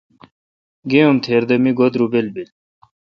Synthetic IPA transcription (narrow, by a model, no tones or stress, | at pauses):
ɡeumt̪ʰeːɾd̪ɐmiɡod̪ɾubelbil